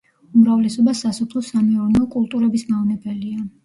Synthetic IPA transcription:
umɾavlɛsɔbasasɔpʰlˠɔsamɛɔɾnɔkʼulˠt̪ʼuɾɛbismaɔnɛbɛlia

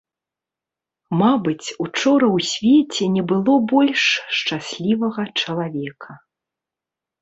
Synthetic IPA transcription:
mabɨt͡sʲut͡ʂɔɾɐwsʲvʲɛt͡sʲɛnʲɛbɨlˠɔbɔlʲʂt͡ʂasʲlʲivɐɣɐt͡ʂɐlˠavʲɛkʰɐ

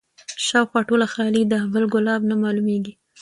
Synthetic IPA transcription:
ʃɑwxwɑʈolaxɑlid̪əbəlɡʊlɑbnamɑlumeɡi

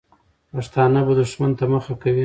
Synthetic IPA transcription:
paʂt̪ɑnabad̪uʂmant̪aməxakawi

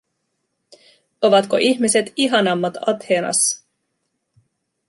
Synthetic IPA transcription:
o̞ʋɑt̪ko̞̰ʔiçmise̞t̪iɦɑnɑmːɑt̪ɑt̪heːnɑ̰s

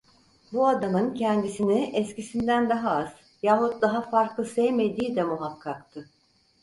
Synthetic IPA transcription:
buad̪amɯncʰɛnd̪isiniɛscisind̪ænd̪aɦaaz̥ | jaːɦut̪̚d̪aɦafaɾklˠɯsɛjme̞d̪iːd̪ɛmuɦakʰːakt̪ʰɯ

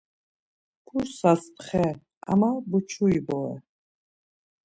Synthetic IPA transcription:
pʰuɾsaspʰχɛ | a̰mabut͡ʃʰuibɔɛ̰

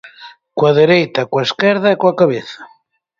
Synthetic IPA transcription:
kwaðeɾejt̪akwaeskɛɾðaekwakaβeθḁ

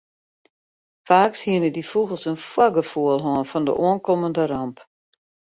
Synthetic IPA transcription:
faːkshiənədifuɣəlˠsənfwɔɡəfuəlˠɦɔənfɔndə̰ʔoənkoməndəɾamp

